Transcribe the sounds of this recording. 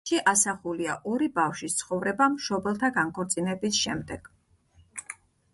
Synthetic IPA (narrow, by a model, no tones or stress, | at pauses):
iʔasaχuliaʔɔɾibafʃwist̪sʰχɔvɾɛbamʃɔbɛlˠt̪ʰaɡaŋkʰɔɾt̪sʼinɛbisʃɛmd̪ɛɡ̥